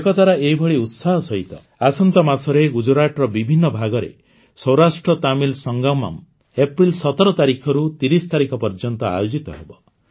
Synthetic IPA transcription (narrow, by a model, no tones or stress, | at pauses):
kɔt̪aɾaeɦibʱɔɭiut̪saɦɔsɔɦit̪ɔ | asɔnt̪ɔmasɔɾeɡud͡ʒuɾaʈɾɔbibʱinːɔbʱaɡɔɾḛ | sɔwɾasʈɾɔt̪amilsɔŋɡawma̰m | epɾilsɔt̪ɔɾɔt̪aɾikʰɔɾut̪iɾist̪aɾikʰɔpɔɾd͡ʒɔnt̪ɔa̰jod͡ʒit̪ɔɦebɔ